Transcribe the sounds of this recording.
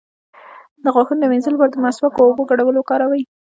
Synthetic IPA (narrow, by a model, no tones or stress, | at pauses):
d̪əɣwɑxənd̪əwenzəlbaɾd̪əmasbakaoboɡaɽawəlokɑɾawaj